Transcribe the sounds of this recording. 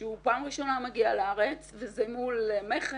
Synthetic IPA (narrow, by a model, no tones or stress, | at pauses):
eupaːmʁiʃo̞namaɡialaaʁet͡svezemulmeχe